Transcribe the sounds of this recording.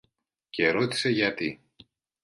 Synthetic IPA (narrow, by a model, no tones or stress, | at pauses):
ce̞ɾot̪i̥se̞ʝɐt̪i